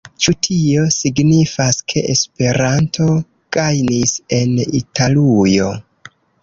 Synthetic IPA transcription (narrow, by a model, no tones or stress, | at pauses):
t͡ʃutʰio̞siɡnifaskʰe̞ʔespe̞ɾantʰo̞ | ɡ̥ajnise̞nḭtʰalujo̞